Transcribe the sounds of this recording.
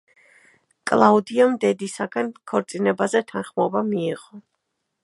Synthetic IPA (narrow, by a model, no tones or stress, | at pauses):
kʼlˠaud̪iɔmd̪ɛd̪isaɡankʰɔɾt̪sʼinɛbazɛt̪ʰanχmɔbamiːʁɔ